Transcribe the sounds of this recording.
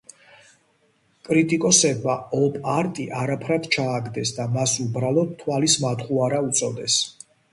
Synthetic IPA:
kʼɾit̪ʼikʼɔsɛbmaɔpʼaɾt̪ʼiʔaɾapʰɾad̪t͡ʃʰaːɡd̪ɛsd̪amasubɾalˠɔd̪̚t̪ʰːwalismat̪χuaɾaut̪sʼɔd̪ɛs

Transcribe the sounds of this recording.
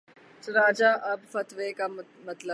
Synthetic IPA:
sɾaːd͡ʒaʔɐbfɐt̪ʋeka | mɐt̪lə

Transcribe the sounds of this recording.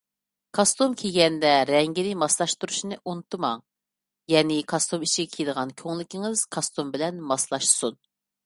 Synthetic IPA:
kʰɑst̪umkʲʰeɡʲɛnd̪ɛɾɛŋɡʲinɪmɑslˠɑʃt̪uɾuʃnɨʔunɨt̪ʰɨmɑŋ | jɛnɪkʰɑst̪umit͡ʃiɡʲɛkʲʰijid̪əʁɑnkʲʰøŋlɪkʲiŋɪz̥kʰɑst̪umbɪlɛnmɑslˠɑʃsun

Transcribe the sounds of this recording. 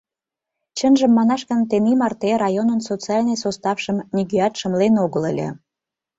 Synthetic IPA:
t͡ɕənʒə̆mːɑnɑʃkənt̪enimɑrt̪eɾɑjonənsot͡sɨɑlʲnəjsost̪ɑfʃə̆mnʲiɡyɑt̪ʃə̆mlenoɣələlʲḛ

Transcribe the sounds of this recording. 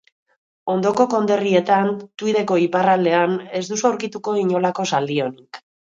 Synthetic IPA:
o̞nd̪o̞ko̞ko̞nd̪e̞rie̞t̪ant̪uið̞e̞ko̞iparald̪e̞ane̞zd̪usawɾkit̪uko̞iɲo̞lako̞sald̪io̞nik

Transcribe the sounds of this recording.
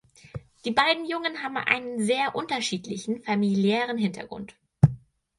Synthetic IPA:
d̥iːbaɪdn̩jʊŋənɦaːbm̩ʔa̰ɪnənzeːɐʔʊntɐʃiːtlɪçn̩familjɛːʁ̞ənɦɪntʰɐ̰ɡʁʊ̰nt

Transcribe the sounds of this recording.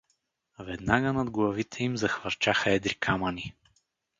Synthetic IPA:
vɛd̪naɡənɐd̪ɡlˠɐvit̪ʰɛimzɐxvɐɾt͡ʃaxəɛd̪ɾikʰaməni

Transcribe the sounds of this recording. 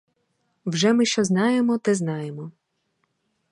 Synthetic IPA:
wʒɛmɪʃt͡ʃɔznɑjemɔt̪ɛznɑjemɔ

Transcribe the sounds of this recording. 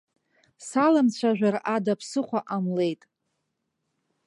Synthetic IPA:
salamt͡ɕʷʰaʒᶣaradapʰsɨχʷaʔamle̞jtʼ

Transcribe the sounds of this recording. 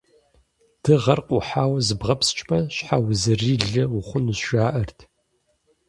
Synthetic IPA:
d̥ʰɨʁɐrqʷʼʊħaːwɐzɨbʁɐpst͡ʃʼpɐɕħawzɨriːɮɨwʊχʷʊnɨzʃaːʔɐrtʰ

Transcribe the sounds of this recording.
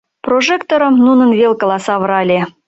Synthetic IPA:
proʒekt̪oɾə̆mnunənβelkəlɑsɑβəɾɑlʲe

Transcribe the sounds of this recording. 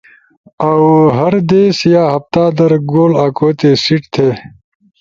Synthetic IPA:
awɦɐɾd̪eːsjaːɦɐft̪aːd̪ɐɾɡoːlaːkoːt̪eːsiʈt̪ʰeː

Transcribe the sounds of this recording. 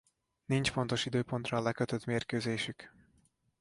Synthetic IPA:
nint͡ʃfo̞nt̪o̞ʃid̪øːpo̞nt̪rɒːlɛkøt̪øt̪meːrkøːzeːʃyk

